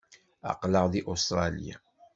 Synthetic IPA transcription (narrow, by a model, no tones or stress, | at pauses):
ɑ̰qləʁðiʔost̪ɾˤɑlḭja̰